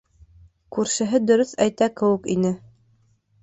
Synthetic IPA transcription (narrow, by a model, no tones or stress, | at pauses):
kʉɾʃɘ̆ɦɘd̪ɵ̆ɾɵθæjt̪ækɘ̆wɘ̆kinɘ